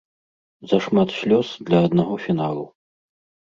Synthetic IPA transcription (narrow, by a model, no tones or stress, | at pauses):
zɐʂmat̪ɕʲlʲɔsd̪lʲɐːd̪naɣɔfʲinalˠu